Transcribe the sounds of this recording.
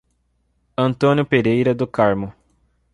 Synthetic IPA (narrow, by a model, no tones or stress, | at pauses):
ɐ̃nt̪õnjʊpeɾejɾɐd̪ʊkaɾmʊ